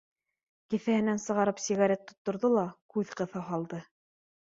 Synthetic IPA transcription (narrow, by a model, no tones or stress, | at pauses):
kifæhɘ̆nænsɤ̆ʁɑɾɤpsʲiɣaɾʲet̪ːŏt̪ːŏɾðolˠɑkʉðqɤ̆θɑɦɑlˠd̪ɤ